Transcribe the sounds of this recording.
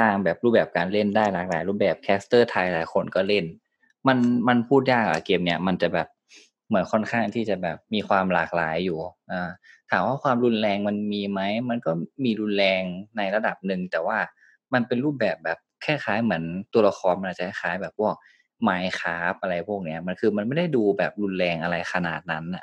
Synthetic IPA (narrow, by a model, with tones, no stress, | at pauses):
saː˧˥˩ŋbɛː˨˩p̚ɾuː˥˩p̚bɛː˨˩p̚kaː˧nle˥˩ndaː˥˩jlaː˨˩k̚laː˨˦jɾuː˥˩pbɛː˨˩p̚kʰɛː˦˥st̪ɤː˥˩t̪ʰa˧jlaː˨˦jkʰo˧nkɔː˥˩le˥˩n | ma˧nma˧npʰuː˥˩t̪̬̚jaː˥˩k̚ʔa̰˨˩keː˧mni˦˥˩ɐma˧nt͡ɕa˨˩bɛː˨˩p̚ | mɯ˩˦ənkʰɔ˥˩nkʰaː˥˩ŋt̪ʰiː˥˩t͡ɕa˨˩bɛː˨˩p̚miː˧xʰwaː˧mlaː˨˩k̚la̰ː˩˦jːuː˨˩ʔɤː˧˩ | t̪ʰaː˨˩˦mwaː˥˩kʰwaː˧mɾu˧nlɛː˧ŋma˧nmiː˧ma˦˥jma˧nkɔː˥˩miː˧ɾu˧nlɛː˧ŋna˧jla˧da˨˩p̚nɯ˧˩ŋt̪ɛː˨˩waː˥˩ | ma˧npe˧nɾuː˥˩p̚bɛː˨˩p̚bɛː˨˩p̚kʰɛː˥˩xaː˩˦jmɯ˩˦ənt̪u˧ɐla˧xʰɔː˧nma˧nʔa˨˩t͡ɕːa˨˩kʰa˥˩kʰaː˨˦jbɛː˨˩p̚ʰːu˥˩ək̚ | maː˨˦jxʰaː˦˥p̚ʔa˧ɾa˧jpʰu˥˩k̚ni˦˥ɐ˩ma˧nkʰɯː˧ma˧nma˥˩jda˥˩jduː˧bɛː˨˩p̚lu˧nlɛː˧ŋʔa˧ɾa˧jxʰa˧na̰ː˨˩t̪̚na˦˥nːa̰˨˩